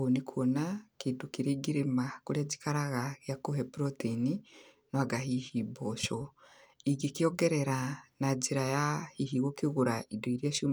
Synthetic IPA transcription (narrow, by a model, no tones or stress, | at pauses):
onikʰonakidukiɾeɡiɾimakuɾeɟi̥kaɾaɣaɣjakuɦepiɾotini | noaɡaɦihiboʃoiɡikijoɡeɾeɾanaɟiɾajahihiɣokiɣuɾaidoiɾjeːʃum